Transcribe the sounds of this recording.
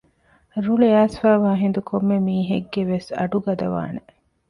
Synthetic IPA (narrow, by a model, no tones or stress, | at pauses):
ɾuleaːsfæːʋaːɦind̪ukʰomːemiːɦeɡːeʋesɐ̰ɖuɡɐd̪ɐʋa̰ːne